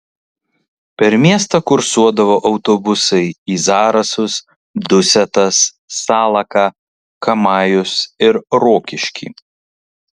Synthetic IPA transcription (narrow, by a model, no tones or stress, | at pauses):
pʲɛɾmʲiɛst̪ɐkʊɾsuɔd̪ɐʋoːʔɐʊt̪obʊsɐɪiːzɑːɾɐsʊs | d̪ʊsʲɛt̪ɐsː | ɑːlˠɐkɑ | kɐmɑːjʊsɪɾɾoːkʲɪʃʲkʲḭː